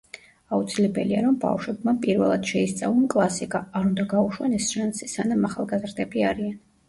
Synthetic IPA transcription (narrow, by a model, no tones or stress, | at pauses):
aut̪sʰilɛbɛliaɾɔmba̰fʃwɛbmapʼiɾvɛlˠad̪̥ʃɛist̪sʼavɔmkʼlˠasikʼaːɾund̪aɡauʃwanɛsʃansisanamaχalˠɡazɾd̪ɛbiaɾian